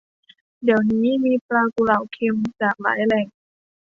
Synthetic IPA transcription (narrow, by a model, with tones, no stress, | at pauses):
di˨˩əwniː˦˥miː˧plaː˧ku˧˩la˧˩wkʰe˧mt͡ɕaː˨˩k̚la̰ː˩˦jlɛː˧˩ŋ